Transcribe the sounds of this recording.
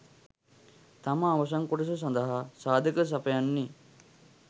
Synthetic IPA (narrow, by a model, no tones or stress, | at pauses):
t̪aməːʋɐs̬aŋkoʈəs̬ɐs̬and̪əɦasaːd̪ʱəkəs̬apəjanːi